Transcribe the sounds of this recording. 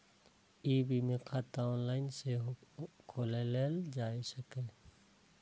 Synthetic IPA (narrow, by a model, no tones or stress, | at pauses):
iːbimẽkʰat̪aɔːnlaːɪnsekʰoːleleːld͡ʒaːesəkẽː